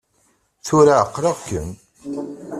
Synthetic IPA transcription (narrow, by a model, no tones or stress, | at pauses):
θʊɾaəqːɾɑʁkːə̰n